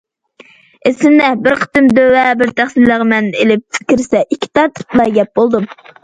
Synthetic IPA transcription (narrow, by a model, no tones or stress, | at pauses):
esɪmnɛbɪɾqʰə̥t̪ɨmd̪øwɛbɪɾt̪ʰæχsɪlːəʁəmɛnelɪp̪̚ʰkʲiɾsɛʔikʲʰːi̥t̪ʰɑɾt̪ʰɨ̥plˠɑɾɡʲɛp̚bolˠd̪um